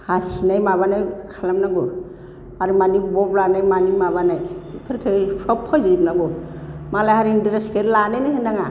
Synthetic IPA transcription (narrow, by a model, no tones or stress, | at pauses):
hasinajmaβanajkʰalamnaɡɔ | aɾimanibɔblanajmanimaβanajpʰɯɾkʰɯsɔpʰːɔzijp̚naɡɔmalajhaɾindiɾeskʰeɾlanajnɯhenaŋa